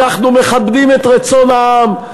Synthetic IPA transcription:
aχnumeχabd̪imɛt̪ʁet͡sonam

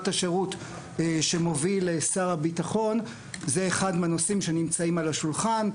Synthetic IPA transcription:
taʃe̞ʁut | ʃe̞mo̞vilesaʁabitaχo̞n | zeːχadmeanosimʃe̞nimt͡saimalaʃulχan

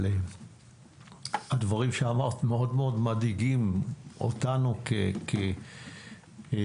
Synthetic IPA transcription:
e | had̪vaʁimʃeamaʁt̪meo̞dmeo̞dmadiɡimo̰t̪anukekʰe

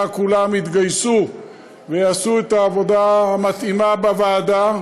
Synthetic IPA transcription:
kulamit̪ɡajsu | veasuet̪aːvo̞daamat̪imabavaːda

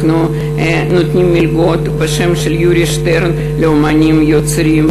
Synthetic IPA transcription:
nu | e | nut̪nʲimːilʲɡot̪baʃɛmʃeljuɾʲiʃt̪eɾn | leomanʲimjot͡sɾʲim

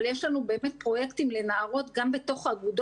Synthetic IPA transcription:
ljeʃlanube̞ːme̞t̚pʁo̞je̞ktimle̞naaʁo̞t̪ɡambe̞to̞χaɡud

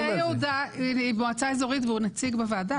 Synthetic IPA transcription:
ɛjeud̪aiboat͡saezo̞ʁit̪veunat͡siɡbevaːda

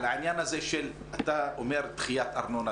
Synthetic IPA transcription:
laʕinjanhazeʃel | at̪aomeʁt̪χijat̪aʁno̞na

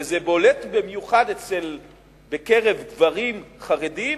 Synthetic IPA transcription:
zebo̞letbemjuχadet͡sel | bekeʁevɡvaʁimχaʁedi

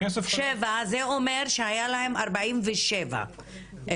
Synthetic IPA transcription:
esʃevazeo̞me̞ʁʃehajalaɦe̞maʁbaimveʃeva̰

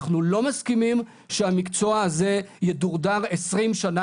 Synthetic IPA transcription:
χnulo̞maskimim | ʃeamikt͡so̞aːze̞jeduʁdaʁesʁimʃana

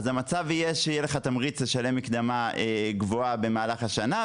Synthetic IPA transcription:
zamat͡savijeʃejeleχat̪amʁit͡sleʃale̞makd̪amaeɡvoabe̞maːlaχaʃana

